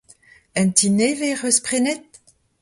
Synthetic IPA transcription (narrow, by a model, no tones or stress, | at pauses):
ɛntineveʁøspχenet̪̚